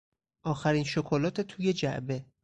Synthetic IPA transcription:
ʔɒːxæɾiːnʃokʰolɒːt̪ʰet̪ʰuːje̞d͡ʒæ̰ʔbe̞

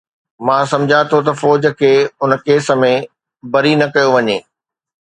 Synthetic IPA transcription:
mãːsɐ̃md͡ʑʱat̪ʰot̪̬ɐfɔːd͡ʑə̆kʰeːʊnkeːsə̆mẽ | bɐɾinɐkɐjoʋɐɲeː

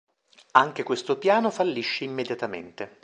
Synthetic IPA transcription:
aŋk̟ekwest̪opjaːnofalːiʃːeimːed̪jat̪amḛnt̪e

